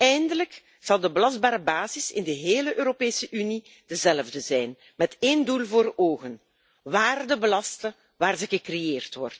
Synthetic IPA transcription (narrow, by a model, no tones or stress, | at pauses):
ɛjndələk | z̥ɑlˠdəbəlɑzd̚baːɾəbaːzɪsɪ̰ndəɦeːləʔøːɾopeːsəʔyni | d̥əzɛlvdəzɛjn | mɛteːndulˠvoːroːɣən | ʋaːrdəbəlɑstə | ʋaːrzəɣəkrejeːrtʋɔ̰rt